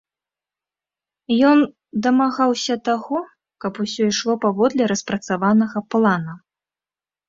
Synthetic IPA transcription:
jɔn | d̪ɐmaɣawsʲɐt̪aɣɔ | kɐpusʲɔiʂlˠɔpavɔd̪lʲɛɾɐspɾɐt̪savanɐɣɐplˠanɐ

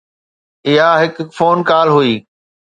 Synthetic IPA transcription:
ɪɦaɦɪkfoːnkaːlɦuiː

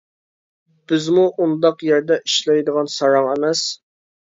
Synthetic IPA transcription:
b̥ɪzmuʔund̪ɑqjɛɾd̪ɛʔiʃlˠɑjd̪əʁɑnsɑɾɑŋemɛs

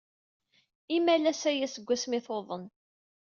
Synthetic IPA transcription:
imælæsæjæsəɡʷːæsmɪθoðˤən

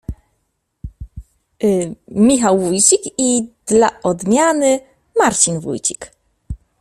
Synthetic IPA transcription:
mʲixawvujt͡ɕikid̪̥laʔɔd̪mʲjanɘ | maɾt͡ɕinvṵjt͡ɕi̥k

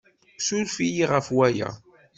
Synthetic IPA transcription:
sulfijiʁəfwæjæ̰

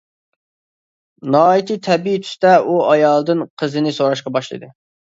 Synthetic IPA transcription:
nɑːit̪ʰit̪ʰɛbit̪ʰy̥st̪ɛuɑjɑlˠd̪ɨnqʰəzɨnɪsoɾɑʃqɑbɑʃlˠɨ̰d̪ɨ

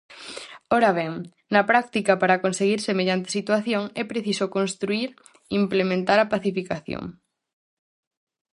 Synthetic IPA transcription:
oɾaβɛŋ | nɐpɾak̚t̪ikɐpaɾakonseɣ̞iɾsemeʎant̪e̥sit̪waθjoŋɛpɾeθisokonst̪ɾuiɾ | implemẽnt̪aɾɐpaθifikaθjo̰ŋ

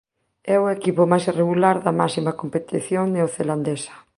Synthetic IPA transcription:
ɛʊekipʊmajsireɣulaɾðɐmasimakompet̪iθjoŋnɪoθeland̪esɐ̥

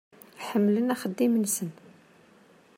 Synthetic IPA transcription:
ħəmːlənæxəd̪ːimənsən

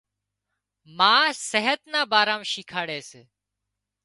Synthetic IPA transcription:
mãːseɦət̪naːbaːɾaːmʃiːkʰaːɽeːseː

